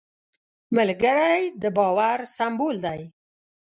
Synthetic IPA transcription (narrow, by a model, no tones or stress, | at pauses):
məlɡəɾajd̪əbɑwaɾsambold̪aj